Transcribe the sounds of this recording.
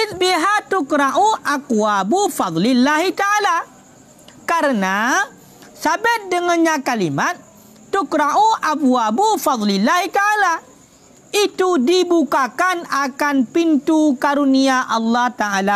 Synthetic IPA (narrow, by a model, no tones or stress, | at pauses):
ɪtbiɦat̪ukɾaʔuʔakwabufɑd̪ˤlɪlːaɦit̪aala | kaɾəna | sabat̪̚dəŋanɲakalimat̪̚ː | ukɾaʔuʔabuabufɑd̪ˤlɪlːahit̪aala | it̪udibukakanakanpint̪ukaɾuniaʔɑlːɑht̪aala